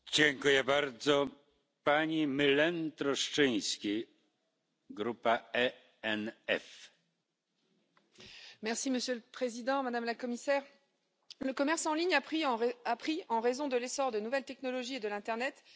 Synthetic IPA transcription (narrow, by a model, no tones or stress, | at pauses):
d͡ʑɛŋkujɛbaɾd̪zɔ | paɲimɨlɛnt̪ɾɔʂt͡ʂɪ̃j̃skʲi | ɡɾupaɛ | ɛnɛf | mɛʁsiməsjøləpχezid̪ɑ̃mad̪amlakɔmisɛʁ | ləkɔmɛʁsɑ̃liɲapχiɑ̃ʁapχiɑ̃ʁezɔ̃d̪əlesɔʁd̪ənuvɛlt̪ɛknɔlɔʒied̪əlɛ̃t̪ɛʁnɛt̪